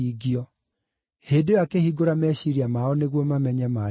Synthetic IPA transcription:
iɡiɔ | heːdeakehiɡoɾamɛɕiɾiamaɔneɣwɔmamɛɲɛma

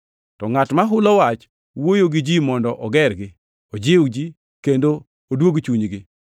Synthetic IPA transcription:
tɔŋatmaɦʊlɔwat͡ʃ | wojoɡɪd͡ʒimɔndɔʔɔɡɛrɡɪ | od͡ʒɪwd͡ʒi | kendoː | dwoɡt͡ʃuɲɡɪ

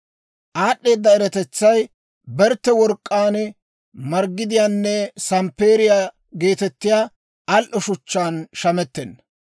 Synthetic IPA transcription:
ʔaːɗːe̞ːd̪ːɐɛɾɛt̪ɛt͡sːɐj | bɛɾt̪ːɛwɔɾkʼːaːn | mɐɾɡːɪd̪ɪjaːnːɛsɐmpe̞ːɾɪja | ɡe̞ːt̪ɛt̪ːɪjaː | lʔɔʃʊt͡ʃːaːnʃɐmɛt̪ːɛnːɐ

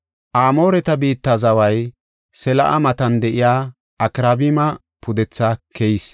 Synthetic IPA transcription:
ʔaːmo̞ːɾɛt̪ɐbiːt̪ːɐzɐwɐj | sɛlɐ̰ʔɐ̰mɐt̪ɐnd̪ɛʔɪjaː | ɐkɾabɪmɐ | pʰʊd̪ɛt͡sːakʰɛjɪs

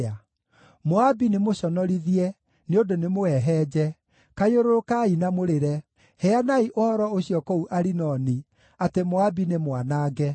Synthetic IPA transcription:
a | moabinemoɕɔnɔɾiðiɛ | neondonemoɛɦɛːd͡ʑɛ | kajoɾoɾokainamoɾeɾɛ | hɛanaiʔohɔɾɔoɕijɔkɔuʔaɾinɔni | atemoabinemwanaːɡɛ

